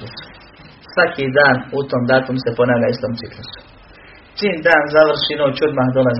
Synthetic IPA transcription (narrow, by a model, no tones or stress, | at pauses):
usu̥ | sʋakʰid̪aːnut̪oːmd̪aːt̪umse̞po̞naːʋʎaist̪o̞ːmt̪siklusu̥ | siːnd̪aːnzaʋr̩ʃinoːt͡ɕod̪maːhd̪o̞laz